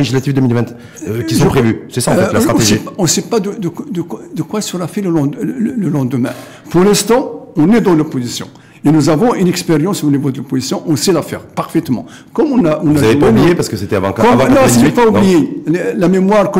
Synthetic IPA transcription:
eʒis̬lat̪ifd̪əmilvɛ̃t̪ | kkissɔ̃pχevysɛsaɑ̃ɛt̪lat̪χaɔ̃esʒɛipaɔ̃sɛpad̪əd̪əkd̪əkwd̪əkwasəʁafɛləlɑ̃ləlɑ̃d̪əmɛ̰̃ | puʁlɛ̃st̪ɑ̃ɔ̃nɛd̪ɑ̃lopozisjɔ̰̃ | enuzavɔ̃ynɛkspeʁjɑ̃sonivod̪əlopozisjɔ̃ʔɔ̃sɛlafɛ̰ʁpaʁfɛt̪mɑ̰̃ | kɔmɔ̃naɔ̃naʒɛmpaublijepaʁskəset̪ɛavɑ̃kakɔṽnɔ̃saɛpaublijelelamemwaʁkə

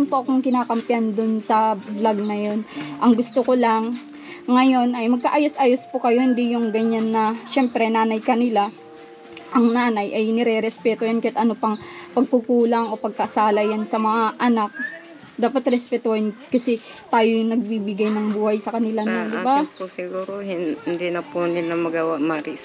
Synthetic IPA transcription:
npoʔɐkoŋkɪnaːkɐmpjand̪ʊnsɐblaɡ̚nɐjo̞nʔɐŋɡʊst̪oko̞laŋː | ɐjo̞nʔɐjmɐɡ̚kaʔaːjosʔaːjospokɐjo̞hɪnd̪ijʊŋɡɐɲanːɐʃɛmpɾɛnaːnɐjkɐnɪla | ʔɐŋnaːnɐjʔɐjnɪɾɛɾɛspɛt̪ojankɐjɐt̪ʔɐnopɐŋpɐɡ̚kukuːlɐŋʔo̞pɐɡ̚kɐʔɐsaːlɐjansɐmɐŋaʔɐnak̚ | d̪aːpɐt̪ɾɛspɛt̪ohɪnkɐsɛ | t̪aːjojnɐɡ̚bibɪɡajnɐŋbuːhɐjsɐkɐnɪlanond̪ɪbapʊsɪɡuːɾohɪnnd̪inɐpunɪnɐmɐɡawamaɾɪs

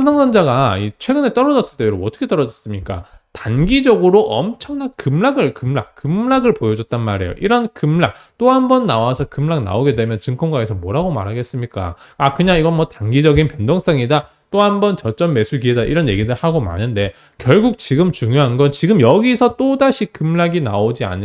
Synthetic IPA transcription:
amsʰʌŋsʰʌnd͡ʑaɡait͡ɕʰwe̞ɡɯne̞t͈ʌɾʌd͡ʑʌs͈ɯɭt͈eɾoʌt͈ʰʌ̥kʰe̞t͈ʌɾʌd͡ʑʌs͈ɯmɲik͈a̰tanɡid͡ʑʌɡɯɾoʔʌmt͡ɕʰʌŋnankɯmɭaɡɯɭkɯmɭak̚k͈ɯmɭaɡɯɭpojʌd͡ʑʌt̚t͈anmaɾe̞̰jo̰ʔiɾʌnkɯmɭa̰k̚t͈oɦambʌnːawasʰʌkɯmɭak̚na̰oɡe̞dwe̞mjʌnt͡ɕɯŋkʰʌmɡwaesʰʌmoɾɦaɡoma̰ɾɦaɡe̞s͈ɯmɲik͈a̰ | akɯɲaŋiɡʌnmwʌtanɡid͡ʑʌɡinpjʌndoŋs͈ʌŋida | t͈ohambʌnt͡ɕʌt͡ɕ͈ʌmme̞sʰuɡiedaʔiɾʌnje̞ɡidɯɭhaɡoma̰nɯnde̞ | kjʌɭɡuk̚t͡ɕiɡɯmt͡ɕuŋjoɦanɡʌnt͡ɕiɡɯmjʌɡisʰʌt͈odaɕʰikɯmɭaɡinaod͡ʑia̰ɲi

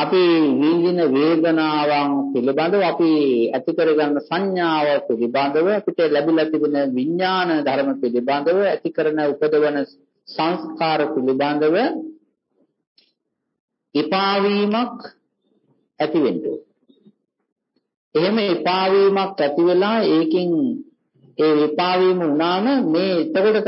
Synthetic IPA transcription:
apiʋiːd̪inəʋeːd̪ənaːʋaŋpiliband̪əʋəapiæt̪ikəɾəɡanːəsaɲjaːʋapiliband̪əʋəapiʈəlæbilat̪iʋenəʋiɲːaːnəd̪ʱaɾəməpiliband̪əʋəæt̪ikəɾənəupəd̪əʋənə | sãŋskaːɾəpiliband̪əʋə | ipaːʋiːmak | æt̪iʋenɖṵ | eɦeməipaːʋiːmakæt̪iʋelaːeːkiŋ | eːʋipaːʋiːməunaːməmeːet̪əkoʈə

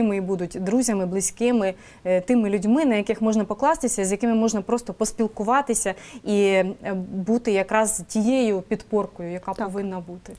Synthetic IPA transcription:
ɪmɪibud̪ʊtʲd̪ɾuzʲɐmɪblˠɪsʲkɪmɪ | t̪ɪmɪlʲʊdʲmɪnɐjɐkɪxmɔʒnɐpɔklˠɑst̪ɪsʲɐizjɐkɪmɪmɔʒnɐpɾɔst̪ɔpɔspʲilˠkʊʋɑt̪ɪsʲɐi | but̪ɪjɐkɾɑztʲijejʊpʲid̪pɔrkɔjʊjɐkɑpɔʋɪnːɐbut̪ɪ

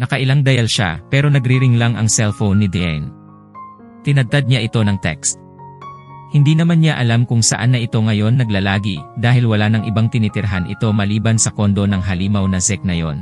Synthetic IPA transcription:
nɐkɐʔɪlaŋd̪ɐjalʃa̰pɛːɾo̞nɐɡɾiɾɪŋlaŋʔɐŋsɛlfownːɪd̪ɛɛ̰n | t̪ɪnɐd̚t̪ad̪̚ɲaʔɪt̪o̞nɐŋt̪ɛ̰kst̪̚ | hɪnd̪inɐmanɲaʔɐlamkʊŋsɐʔanːɐʔɪt̪o̞ŋɐjo̞nːɐɡlalaːɡid̪aːhɪlwɐlanɐŋʔɪbaŋt̪ɪnit̪ɪɾɦanʔɪ̰t̪o̞mɐliːbɐnsɐko̞nd̪o̞nɐŋɦɐliːmɐwnɐzɛk̚nɐjo̞̰n

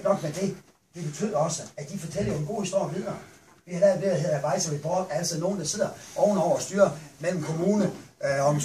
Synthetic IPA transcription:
nɒ̽ɡ̥med̥e̝ | d̥e̝b̥e̝t͡sʰyð̰ˠɒ̽səæd̥ifɒt͡sʰel̰ɐjoenɡo̝̰ːhisd̥o̝ɐjɐʋiðˠɐː | ʋihɑdæʋe̝ðˠɐɦe̝ð̰ˠæʋɑ̈ɪsɐʋib̥ʁɒb̥ææl̰t͡sʰið̩̰ˠno̝ːn̩d̥ɑ̈se̝ð̞̰ˠɐʔɒʊnɒʊ̰ɐɒsd̥yːɐmel̰m̩kʰo̝muːnəɒ̽

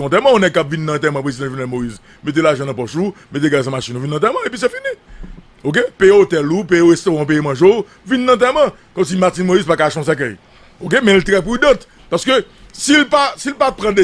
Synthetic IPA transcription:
t̪ɛmɐ̃ɔ̃nɛk̚kːapvinːãːt̪̬ɛmɐ̃pʁezid̪ãʒonɛlmoiz | met̪̬elaʒɐ̃nɐ̃pɔʃu | met̪̬eɡas̬ãmaʃĩnuvinːɐ̃t̪̬ɛmɐ̃epɥis̬ɛfini | ok̬epejeot̪ɛlup̬ejeɣest̪oʁãp̬ejimɐ̃ʒo | vinːɐ̃t̪̬ɛmɐ̃ | kɔ̃ms̬imatinmoizpakaʃɔ̃s̬ɛk̬œj | ok̬emɛ̃lt̪ʁɛpʁyd̪ɐ̃t̪ | paʁsə̥kø | silpasilpapʁãd̪e

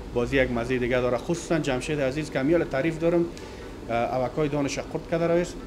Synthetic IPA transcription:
bɔzijaɡmazed̪ɪɡad̪ɔɾaxʊsu̥sand͡ʒamʃed̪azizkamjɔlɪt̪aɾifd̪ɔɾʊm | a̰wakɔjd̪ɔnɪʃaqʰʊɾt̪̚kad̪aɾɔjez

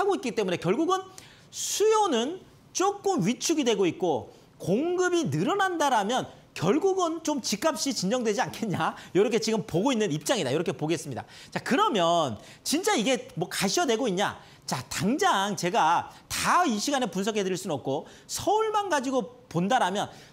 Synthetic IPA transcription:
haɡoit̚k͈it͈e̞mune̞kjʌɭɡuɡɯn | sʰujonɯn | t͡ɕ͈ok͈̚ɯmɥit͡ɕʰuɡidwe̞ɡoit̚k͈o | koŋɡɯbinɯɾʌnandaɾamjʌn | kjʌɭɡuɡɯnt͡ɕomt͡ɕik͈ap̚ɕ͈it͡ɕind͡ʑʌŋdwe̞d͡ʑiankʰe̞ɲɲajoɾʌkʰet͡ɕiɡɯmpoɡoinːɯnip̚t͡ɕ͈aŋida̰joɾʌkʰepoɡe̞s͈ɯmɲida̰ | t͡ɕakɯɾʌmjʌn | t͡ɕint͡ɕ͈aiɡe̞mwʌkaɕʰʌdwe̞ɡoiɲɲa̰ | t͡ɕataŋd͡ʑaŋt͡ɕe̞ɡataiɕʰiɡanepunsʰʌkʰedɯɾiɭs͈unʌp̚k͈o | sʰʌuɭmanɡad͡ʑiɡopondaɾamjʌn

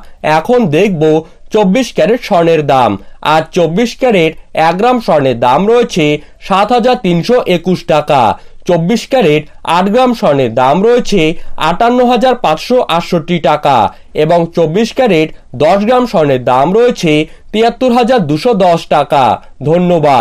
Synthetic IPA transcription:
ɛkʰond̪ek̚ʰbo | t͡ɕobːiʃkɛɾeʈʃɔɾneɾd̪ama̰d͡ʑt͡ɕobːiʃkɛɾeʈɛk̚ɡɾamʃɔɾneɾd̪amɾɔet͡ɕʰe | ʃat̪ɦad͡ʑaɾt̪inʃoʔekuʃʈaka̰t͡ɕobːiʃkɛɾeʈaʈɡɾamʃɔneɾd̪amɾɔet͡ɕʰea̰ʈanːoɦad͡ʑaɾpat͡ɕʃoʔaʈʃoʈːiʈaka̰ | eboŋt͡ɕobːiʃkɛɾeʈd̪ɔʃ̬ɡɾamʃɔɾneɾd̪amɾɔet͡ɕʰe | t̪iat̪ːoɾɦad͡ʑaɾd̪uʃod̪ɔʃʈaka̰ | d̪ʱonːobad̪

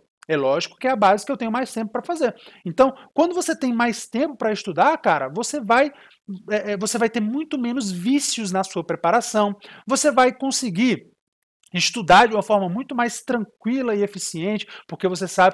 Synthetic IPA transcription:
ɛlɔʒikʊ̥kɪɛabazɪkɪewt̪ẽɲʊmajst̪ẽmp̬ʊpɾɐfazeɾẽnt̪ɐ̃w̃kwɐ̃nd̪ʊvoset̪ẽj̃majst̪ẽpʊpɾɐɪst̪ud̪aɾkaɾɐvosevaj | ɛʔɛvosevajt̪eɾmũj̃t̪ʊmẽnʊzvisjʊznɐsuɐpɾepaɾasɐ̃w̃vosevajkõsɪɡiɾ | ɪst̪ud̪aɾd͡ʒɪũmɐfɔɾmɐmũj̃t̪ʊmajst̪ɾɐ̃ŋkwilɐɪefisiẽnt͡ʃɪ̥poɾkevos̬esabɪ

